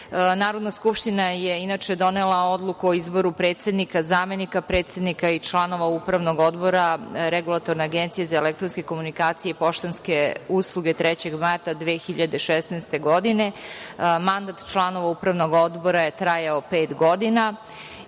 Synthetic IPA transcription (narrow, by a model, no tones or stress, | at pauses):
naːɾod̪naskupʃt̪inajeinat͡ʃed̪o̞nelˠao̞d̪lˠukuoizbo̞ɾupɾeːt̪se̞d̪nikazaːme̞nikapɾe̞ːt̪sed̪nikait͡ʃlˠano̞ʋaupɾaʋno̞ɡo̞d̪bo̞ɾaɾeɡulˠat̪o̞ɾneaɡent̪sijezaelek̚t̪ɾonske̞ko̞munikaːt̪sijepo̞ʃt̪enske̞uslˠuɡe̞t̪ɾɛt͡ɕe̞ɡmaɾt̪ad̪ʋeːxiʎad̪eʃɛsnɛst̪e̞ɡo̞d̪ine | mand̪at̪t͡ʃlˠano̞ʋaupɾaʋnoɡo̞d̪bo̞ɾaje̞t̪ɾajaopeːt̪ɡod̪ina